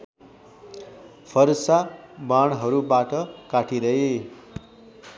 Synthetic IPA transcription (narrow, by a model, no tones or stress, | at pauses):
pʰʌɾsabaɽ̃ɦʌɾubaʈʌkaʈiɾʌɦe